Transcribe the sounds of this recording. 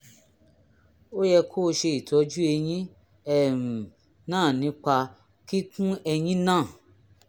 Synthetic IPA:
o˦jɛ˧kʰoː˦˨˦ʃe˧i˨tʰɔ˨˦d͡ʒu˦e˧j̃ĩ˦ | ɛ˨mũ˨ | nãː˦˨nĩ˨˦k͡pa˧ | ki˦kũ˦ɛ˧jĩ˦nãː˦˨

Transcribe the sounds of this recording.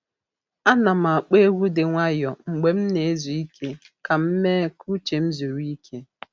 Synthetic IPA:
a˦na˨ma˨a˨k͡pe˦ɣʷu˦dɪ˨ŋʷa˦jɔ˨ŋ͡m̩˨ɡ͡be˨m̩˦ne˨e˦zu˨i˦kʰe˦ | ka˨m̩˦me˦kʰu˦t͡ʃe˨m̩˦zu˨ɾi˦kʰe˦

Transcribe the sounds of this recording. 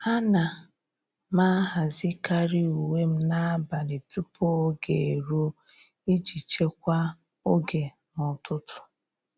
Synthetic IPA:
a˦na˨ | ma˦ɦa˨zi˦ka˦ɾi˦u˨we˦m̩˦na˦ba˨ne˨tu˦pʰo˦ɡe˨e˨ɾo˦ | i˦d͡ʒi˨t͡ʃe˦kʷa˦ | o˦ɡe˨ | nʊ˨tʊ˦tʰʊ̥˨

